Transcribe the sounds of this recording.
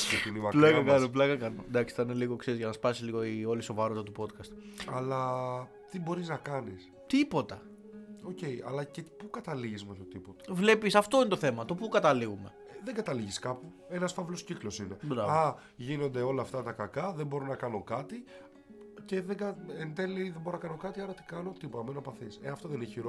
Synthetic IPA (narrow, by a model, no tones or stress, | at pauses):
it̪inimɐplɐkɐkɐnoplɐkɐkɐno̰nd̪ɐksi̥t̪ɐineliɣokseɾzʝɐnɐspɐsisliɣo̞io̞liso̞vɐɾot̪ɐt̪upo̞t̪kɐst̪ɐlɐ | t̪ibo̞ɾiznɐkɐnis | t̪ipo̞t̪ɐ | o̞ce̞jɐ̰lɐcepukɐt̪ɐliʝizmeçot̪ipot̪ɐ̥vle̞pisɐft̪o̞inet̪oθe̞mɐt̪o̞pukɐt̪ɐliɣume̞̰ðeŋɡɐt̪ɐliʝiskɐpu | e̞nɐsfɐvlo̞sciklo̞sine̞ɐ | ʝino̞nd̪e̞o̞lɐːft̪ɐt̪ɐkɐkɐðembo̞ɾonɐkɐno̞kɐt̪i | ce̞ðeɡɐent̪e̞liðemboɾonɐkɐno̞kɐt̪iɐɾɐt̪i̥kɐno̞t̪ipo̞t̪ɐmenopɐθiseɐft̪o̞ðenineçiɾo